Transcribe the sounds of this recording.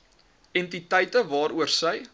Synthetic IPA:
ɛntitəjtəvɑːɾuərsəj

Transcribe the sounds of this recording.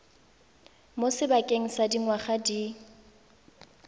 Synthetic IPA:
mosɪbakʼeŋ̩sadiŋwaχadi

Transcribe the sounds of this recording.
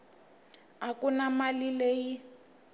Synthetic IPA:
akʼunamalileːji

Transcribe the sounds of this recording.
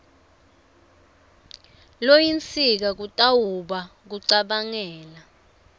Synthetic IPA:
lojint͡sʰʼik̬ak̬utʼawuɓak̬uǀaɓaŋɛːla

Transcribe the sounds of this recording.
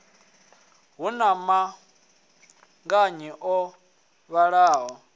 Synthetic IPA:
ɦunama | ŋɡaɲɛʔɔ | βaɺaːɦɔ

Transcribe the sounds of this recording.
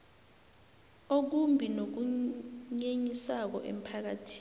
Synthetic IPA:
ok̬umbʱinok̬uɲeɲisak̬ɔ̰ʔḛm̩pʰak̬atʰi̥ː

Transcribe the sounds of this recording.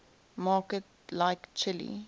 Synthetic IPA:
mɑːkət̚ | laɪkt͡ʃʰɪlḭ

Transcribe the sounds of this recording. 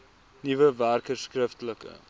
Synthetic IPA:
nivəværkəskrɪftləkə̰

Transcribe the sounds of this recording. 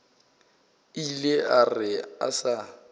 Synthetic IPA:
ilearɪa̰sa

